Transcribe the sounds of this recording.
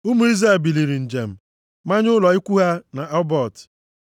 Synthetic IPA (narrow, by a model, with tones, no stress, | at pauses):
u˦mu˨i˦za˦˨bi˨li˨ɾi˨n̩˨d͡ʒe˨m̩˨ | ma˦ɲʊ˦lɔ˨i˦kʷu˦ɦa˦na˨a˦bɔ˦˨t